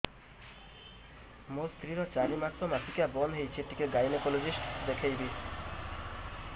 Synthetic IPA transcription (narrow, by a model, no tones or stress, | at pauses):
most̪ɾiɾɔt͡ɕalimat̪ːomasʰikabɔnɦejt͡ɕʰieʈːikeɡajnekolod͡ʑisʈd̪ekʰejbi